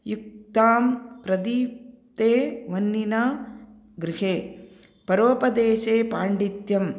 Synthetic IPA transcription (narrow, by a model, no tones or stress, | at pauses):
juk̚t̪aːmpɾɐd̪iːp | t̪eːʋɐnːina | ɡɾɪɦeː | pɐɾoːpɐd̪eːʃeːpaːɳɖit̪jɐm